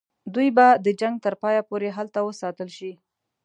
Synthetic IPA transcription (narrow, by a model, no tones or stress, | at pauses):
d̪ujbad̪əd͡ʒaŋɡ̚t̪əɾpɑjapoɾeɦalt̪awəsɑt̪əlʃi